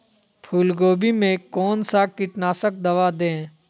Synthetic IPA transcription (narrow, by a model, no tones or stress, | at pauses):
pʰuːlɡoːbimẽkɔːnsakɪʈnaːsək̚d̪ɐʋad̪ẽː